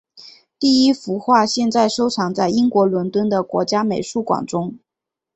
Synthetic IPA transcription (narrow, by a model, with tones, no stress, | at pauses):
t̪i˥˩i˥fu˧˥xwa˥˧ɕjɛ˥˧nt͡sa˥˩ɪʂo˥ʊʈ͡ʂʰɑ˧˥ŋt͡sa˥˩ɪi˥ŋkwɔ˧˥lwə˧˥nt̪wə˥nd̪ə˨kwɔ̰˧˥t͡ɕja˥me˧˩ɪʂu˥˩kwɑ̰˨˩ŋʈ͡ʂʊ˥ŋ